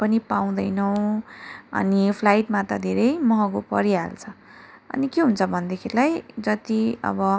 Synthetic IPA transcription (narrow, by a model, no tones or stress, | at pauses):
pʌnipaw̃d̪ʌjnʌw̃ | ʌ̰nipʰlajʈmat̪ʌd̪ʱeɾʌjmʌɦʌkopʌɾiɦa̰lt͡sʰʌ | ʌ̰nikeɦunt͡sʰʌbʱʌnd̪ekʰelajd͡zʌt̪iʌ̰bʌ